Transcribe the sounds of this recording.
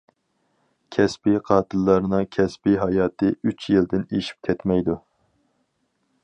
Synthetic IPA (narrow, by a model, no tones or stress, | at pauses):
kʲʰɛspiqʰɑːt̪ʰɨlˠːɑɾnɨŋkʲʰɛspiɦɑjɑːt̪ʰɨyt͡ʃjild̪ɪneʃi̥p̚kʲʰɛt̪mɛjd̪u